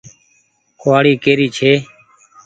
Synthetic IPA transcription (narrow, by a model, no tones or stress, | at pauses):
koaːɽiːkeːɾiːt͡ʃʰeː